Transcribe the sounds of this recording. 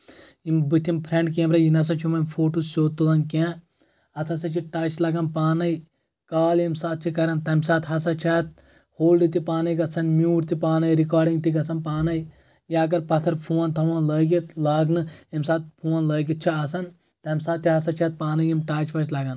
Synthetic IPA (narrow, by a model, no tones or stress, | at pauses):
imbɨt̪ʰːimpʰɾẽɳɖkẽːmɾɐjinɐs̬ɐnt͡ʃʰimɐmʲpʰoːʈusoːt̪ːulɐnkẽː | ɐt̪ʰɐsɐt͡ʃʰiʈaːt͡ʃʰlɐɡɐnpaːnɐi | kaːlemsaːt̪̚t͡ʃʰikɐɾɐnt̪ɐmʲsaːt̪ʰɦɐsɐt͡ʃʰaːt̪̚ | hoːlɖɨt̪ipaːnɐjkɐsʰɐnmʲuːʈt̪ipaːnɐjɾikaːɾɖĩŋɡt̪ikɐsɐnpaːnɐj | jaɐɡɐɾpɐt̪ʰɐɾpʰuːnt̪ʰɐʋɐ̃ːnləːɡit̪laːɡnɨemsaːt̪̚pʰuːnləːɡit̪̚t͡ʃʰiɐsɐn | t̪ɐmʲsaːt̪ʰːiɦɐsɐt͡ʃʰaːt̪̚paːnɐjimʈaːt͡ʃʋɐt͡ʃlɐɡɐn